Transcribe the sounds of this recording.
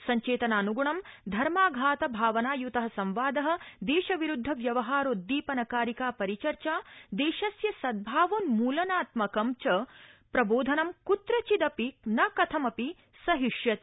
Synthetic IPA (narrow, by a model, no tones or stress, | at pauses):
sɐɲt͡ʃeːt̪ɐnaːnuɡuɳɐmd̪ʱɐɾmaːɡʱaːt̪ɐbʱaːʋɐnaːjut̪ɐɦɐsɐ̃mʋaːd̪ɐɦɐ̆d̪eːʃɐʋiɾud̪ʱːɐʋjɐʋɐɦaːɾoːd̪iːpɐnɐkaːɾikaːpɐɾit͡ʃɐɾt͡ʃaːd̪eːʃɐsjɐsɐd̪̚bʱaːʋoːnmuːlɐnaːt̪mɐkɐmt͡ʃɐpɾɐboːd̪ʱɐnɐmkut̪ɾɐt͡ʃid̪ɐpinɐkɐt̪ʰɐmɐpi | sɐɦiʃjɐt̪